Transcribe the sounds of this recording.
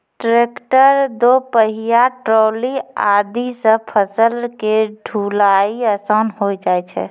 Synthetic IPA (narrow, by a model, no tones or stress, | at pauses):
ʈɾekʈəɾd̪opəɦijaʈɾoːlia̰d̪isə̃pʰəsəlkeɖʱulaiəsənɦojd͡ʒaɛt͡ʃʰɛ̰